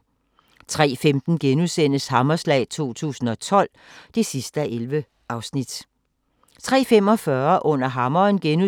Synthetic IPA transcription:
t͡sʰʁɛ̰ːfemd̥n̩ɡ̥enusen̰əshɑ̈mɐslɛ̰ɪt͡sʰo̝̰ːt͡sʰṵːsn̩ɒ̽t͡sʰɒ̽l̰ | d̥e̝sisd̥əæʔelʋə | ʔɑ̈ʊsnid̥ | t͡sʰʁɛ̰ːfem̰ɒ̽fɶɐʔɔ̽n̰ɐɦɑ̈mɒnɡ̥enu

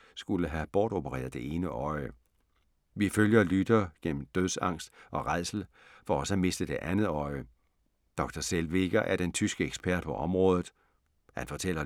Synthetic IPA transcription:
sɡ̥uləɦæb̥ɒːd̥o̝b̥əʁɛ̰ːɐð̩ˠd̥e̝ʔe̝ːnəʔɒ̽ɪə | ʋiføljɐlyd̥ɐɡ̥en̰m̩d̥øð̞ˠsɑ̈ŋ̰sd̥ʔɒ̽ʁɑ̈ɪsl̩ | fɒ̽ɒ̽səæme̝sd̥əd̥e̝ʔænð̩ˠɒ̽ɪə | d̥ɒ̽ɡ̥̚d̥ɐselʋe̝ɡ̥ɐʔæɐd̥ent͡sʰysɡ̥əeɡ̥sb̥ʰæɐd̥̚pʰɒ̽ʔɒ̽mʁɔ̽ːðˠð̩ˠ | hænfɒ̽t͡sʰel̰ɐ

